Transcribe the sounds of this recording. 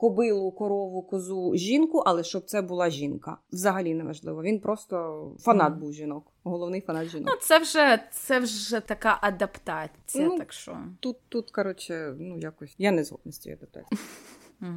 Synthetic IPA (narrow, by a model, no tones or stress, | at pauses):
kɔbɪlˠʊkɔɾɔʋʊkɔzuʒʲinkʊʔɐlˠɛʃt͡ʃɔb̚t̪sɛbʊlˠɑʒʲinkɐ̰wzɐɦɐlʲinɛʋɐ̰ʒlˠɪʋɔʋʲinpɾɔst̪ɔfɐnɑd̪̚buwʒʲinɔk | ɦɔlˠɔwnɪjfɐnɑt̪ʒʲinɔ̰t̪sɛwʒɛt̪sɛwʒɛt̪ɐkɑʔɐd̪ɐpt̪ɑt͡sʲinjnɐutɐkʃɔ̰t̪ut̪ːut̪kɐɾɔt͡ʃɪnujakɔsʲjanɛzɦɔ̰d̪nʊsʲtʲḭjḭɐd̪ɐp̚t̪a̰t͡sʲ